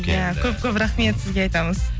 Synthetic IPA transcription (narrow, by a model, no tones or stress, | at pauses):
jakʲʰɵp̚kʲʰɵpɾaχme̞t̪sɪzɡʲe̞ɑjt̪ɑməz̥